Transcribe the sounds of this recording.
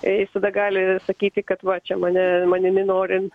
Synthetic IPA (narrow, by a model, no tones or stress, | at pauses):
jɪst̪ɐd̪ɐɡɑːlʲɪsɐkʲiːt̪ʲɪkɐt̪ʋɐt͡ʃʲɛmɐnʲɛmɐnʲɪnʲɪnoːɾʲɪn